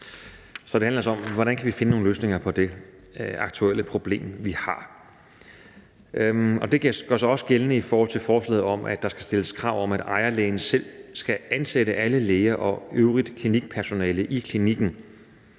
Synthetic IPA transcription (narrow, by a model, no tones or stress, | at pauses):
sɒ̽d̥e̝ænlɐæsɒ̽mʋɒɾænkʰæʋife̝nəno̝ːŋnløːsne̝ŋɐpʰɒ̽d̥e̝ | ɑ̈ɡ̥t͡sʰuel̰əpʰʁo̝b̥le̝̰ːmʋihɑ̈ | ɒ̽d̥e̝ɡ̥ɡ̥ɶɐsɒ̽ɒ̽sɡ̥elənəifɒːhɒ̽l̰t͡sʰe̝lfɒːslɛ̰ːð̩ˠɒ̽mʔæd̥ɑ̈sɡ̥æsd̥e̝ləskʰʁɑ̈ʊ̰ɒ̽mæd̥ɑ̈ɪɐleːnəsel̰sɡ̥æænseɾəʔæləleːɐʔɒ̽øʊʁid̥kʰliniɡ̥̚pʰæɐso̝nɛːləʔikʰliniɡ̥n̩